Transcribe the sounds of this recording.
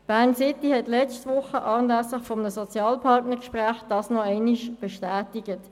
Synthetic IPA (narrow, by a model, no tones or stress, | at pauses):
b̥æʁnsɪtːihɛtlɛt͡stʋʊχəʔɑːnlæslɪχfɔmənəsɔt͡sjɑːlpʰɑtnəkʃpʁæːχd̥ɑːsnɔɛɪniʃb̥ɛʃtæːtiɡət